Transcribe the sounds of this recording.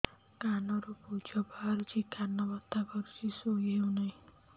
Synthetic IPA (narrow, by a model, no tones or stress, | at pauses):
kanɔɾupud͡ʒɔbaɾut͡ʃʰikanːɔbɔt̪ːakɔɾut͡ʃʰisoɦewnaɦĩ